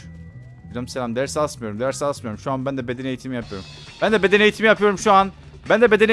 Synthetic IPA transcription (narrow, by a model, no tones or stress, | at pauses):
od͡ʒamselʲamd̪æɾsalˠsmɯjo̞ɾumd̪æɾsalˠsmɯjo̞ɾumʃuanbænd̪ɛbe̞d̪ene̞jit̪ʰimijapʰɯjo̞ɾum | bænd̪ɛbe̞d̪enejit̪ʰimijapʰɯjo̞ɾumʃuan | bænd̪ɛbe̞d̪e̞n